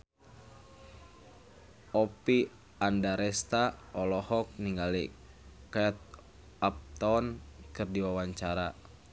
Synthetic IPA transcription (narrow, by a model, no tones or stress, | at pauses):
ɔpi | andaɾɛst̪aɔlɔhɔk̚niŋɡali | kat̪̚ | ap̚t̪ɔnkɨrdiwawaɲt͡ʃaɾa